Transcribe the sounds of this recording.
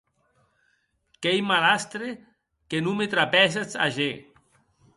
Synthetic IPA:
kejmalast̪ɾe | kenumet̪ɾapɛset͡sa̰ʒe

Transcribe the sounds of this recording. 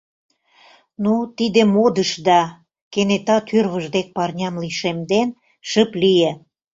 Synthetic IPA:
nut̪id̪ĕmod̪əʃd̪ɑ | kenet̪ɑt̪ʰyrβə̆ʒd̪ek̚pɑrnʲɑmliʃemd̪en | ʃəplije

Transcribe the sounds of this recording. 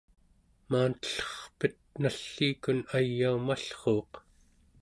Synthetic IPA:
maːnt̪ə̥ɬʌ̥χpət̪̚naɬːiːkunajːaumaɬχo̞ːq

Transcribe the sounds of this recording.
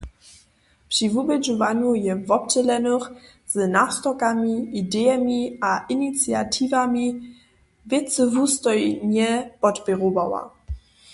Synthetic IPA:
pʂivubɛd͡ʒuvaɲujɛvɔp̚t͡ɕɛlɛnʊx | z̥nast̪ɔkamʲiidɛjɛmʲiaʔinit̪t͡sja̰tʰivamʲi | vɛt̪t͡səvust̪ɔjɲɛpɔtpʲɛʁubawa̰

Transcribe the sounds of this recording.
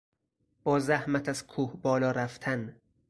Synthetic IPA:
b̥ɒːzæhmæt̪ʰæz̥kʰuːhbɒːlɒːɾæft̪ʰæn

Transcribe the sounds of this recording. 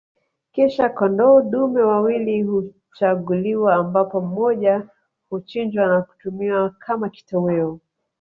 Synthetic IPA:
kɛʃakɔndɔɗumɛwawilihu | t͡ʃaɠuliwaːmbapɔm̩mɔʄa | hut͡ʃind͡ʒwanaku̥tumiwakʰamaki̥tɔwɛɔ

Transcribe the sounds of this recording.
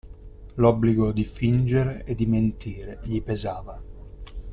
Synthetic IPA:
lɔbːliɡod̪ifind͡ʒeɾeʔed̪ːiment̪ʰiːɾeʎipezaːva

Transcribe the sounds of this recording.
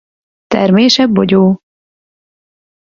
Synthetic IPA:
t̪ɛ̰rmeːʃɛbːo̰ɟoː

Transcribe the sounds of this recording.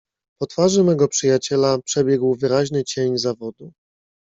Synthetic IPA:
pɔt̪faʐɛmɛɡɔpʂɘjat͡ɕɛlapʂɛbʲjɛɡwvɘɾaʑnɘt͡ɕeɲzavɔd̪u

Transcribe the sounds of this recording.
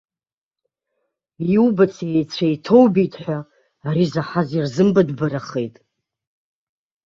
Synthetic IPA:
iwubat͡sʰejt͡sʷʰajtʰo̞wbitʰʼħʷᶣa | aɾizaħazirzɨmbadbaɾaχejtʼ

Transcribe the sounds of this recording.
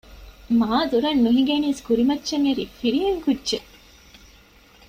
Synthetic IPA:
maːd̪uɾɐnːuɦiɡeniːskuɾimɐtːʃɐŋːɐɾḭːfiɾieŋkudːʒe

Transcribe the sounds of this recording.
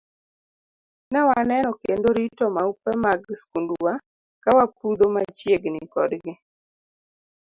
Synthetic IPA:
nɛwanɛnɔkendoɾitɔmaupɛmaɡskunduwa | kawapud̪omat͡ʃjeɡnɪkɔ̰dɡɪ

